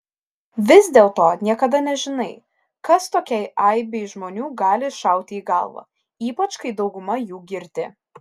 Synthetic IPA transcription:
ʋʲɪzd̪ʲeːlˠt̪oːnʲiɛkɐd̪ɐnʲɛʒʲɪnɐɪ | kɐst̪oːkʲɛɪɐɪbʲɛɪʒmoːnʲuːɡɑːlʲɪʃɐˑʊt̪ʲɪiːɡɐ̰lˠʋɑ̰ː | iːpɐt͡ʃkɐɪd̪ɒʊɡʊmɐjuːɡʲɪɾʲt̪ʲɪ

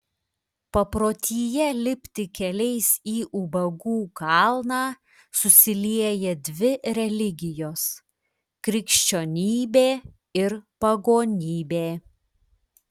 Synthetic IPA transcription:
pɐpɾoːt̪ʲiːjɛlʲɪpʲt̪ʲɪkʲɛlʲɛɪsiːʔubɐɡuːkɑˑlˠnɑː | sʊsʲɪlʲiɛjɛd̪ʲʋʲɪɾʲɛlʲɪɡʲɪjoːs | kɾʲɪkʃʲt͡ʃʲoːnʲiːbʲeː | ɪɾpɐɡoːnʲiːbʲeː

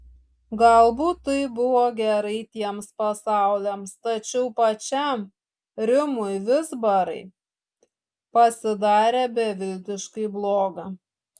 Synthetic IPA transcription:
ɡɐlˠbuːt̪ːɐɪbʊʋoːɡʲɛɾɐɪt̪ʲiɛmspɐsɑˑʊlʲemst̪ɐt͡ʃʲɛʊpɐt͡ʃʲɛm | ɾʲɪmʊɪʋʲɪzbɐɾɐ̰ɪ | pɐsʲɪd̪ɑːɾʲeːbʲɛʋʲɪlʲt̪ʲɪʃkɐɪblˠoːɡɐ

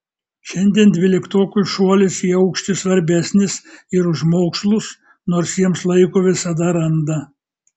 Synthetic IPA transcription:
ʃʲɛnʲd̪ʲiɛnd̪ʲʋʲɪlʲɪkt̪oːkʲʊsʃuɔlʲɪsiːɐʊkʃʲt̪ʲɪsʋɐɾʲbʲæsʲnʲɪsɪɾʊʒmoːkslˠʊs | noːɾsjiɛmslˠɐɪkoːʋʲɪsɐd̪ɐɾɐnd̪ɐ

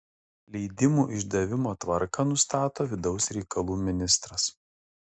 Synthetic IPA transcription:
lʲɛɪd̪ʲɪmuːʔɪʒd̪ɐʋʲɪmoːt̪ʋɐɾkɑnʊst̪ɑːt̪oːʋʲɪd̪ɒʊsɾʲɛɪkɐlˠuːmʲɪnʲɪst̪ɾɐs

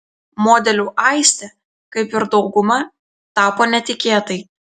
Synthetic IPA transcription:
moːd̪ʲɛlʲuːʔɐɪsʲt̪ʲɛ | kɐɪpɪɾd̪ɒʊɡʊmɐ | t̪ɑːpoːnʲɛt̪ʲɪkʲeːt̪ɐɪ

